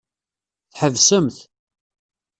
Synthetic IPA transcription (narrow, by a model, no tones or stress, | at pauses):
θħəvsəmθ